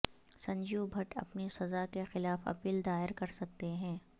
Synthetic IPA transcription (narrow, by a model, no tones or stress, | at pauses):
sɐ̃ɲd͡ʒubʱɐʈɐ̰pnisɐzakexɪlaːfɐ̰piːld̪aːɪɾkɐɾsɐk̚t̪eɦɛ̃ː